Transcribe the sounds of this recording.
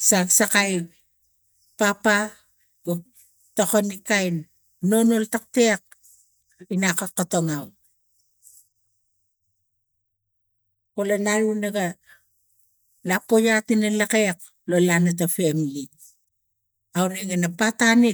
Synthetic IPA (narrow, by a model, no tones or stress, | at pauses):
saɡsakaj | papa | ɡo | tokonikajn | no̞no̞ltak̚tek̚ | inakakotoŋaw | kolanaɾunaɡa | lapo̞jatinalakek̚ | lo̞lanat̬afemli | awneɡanapatani